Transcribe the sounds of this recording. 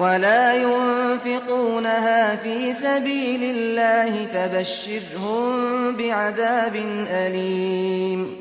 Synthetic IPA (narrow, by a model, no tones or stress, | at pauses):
walaːjʊnfɪquːnaɦaːfiːsabiːlɪlːaːhɪfabaʃːɪɾhʊmbɪʕaðaːbɪnʔaliːm